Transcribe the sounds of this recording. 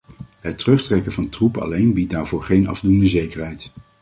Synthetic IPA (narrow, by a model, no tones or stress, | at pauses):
ɦətːərɵχtrɛkəvɑntrupɑ̰lejnbit̚daːɹvʊːɹχejnɑ̰vdundəzejkəɹɦɛjt